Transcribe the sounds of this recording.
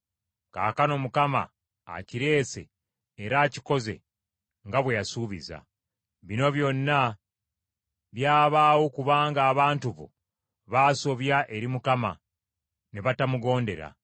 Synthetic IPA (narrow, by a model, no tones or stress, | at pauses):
ka̰ːkano̞mukama̰ː | ciɾe̞ːse̞̰ː | ɾaːci̥ko̞ze̞̰ | ŋɡaβwe̞jasuːβḭza̰ | βino̞βjo̞nːa | βjaːβaːwo̞kuβaːŋɡaːβaːntuβo̞̰ | βaːso̞βjaʔe̞ɾimukama̰ | neβatamuɡo̞ːnde̞ɾa̰